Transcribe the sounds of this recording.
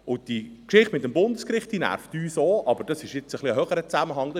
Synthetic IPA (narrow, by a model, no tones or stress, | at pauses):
ʊd̥ikʃɪχtmɪt̚ːəmbʊndəskɾɪχt̚d̥inæ̰ɾftyːsoːʔɑbəɾd̥ɑsɪʃjɪt͡səχliəɦœχəɾət͡sæməɦɑŋːdɑ